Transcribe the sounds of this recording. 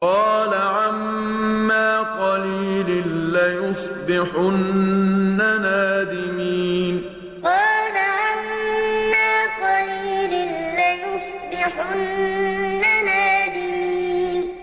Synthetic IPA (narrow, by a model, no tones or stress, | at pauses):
qɑːlaʕamː | aːqɑliːlɪnlajʊsˤ | bɪħʊnː | anaːd̪ɪmiːn | qɑːlaʕamː | aːqɑliːlɪnlajʊsˤ | bɪħʊnː | anaːd̪ɪmiːn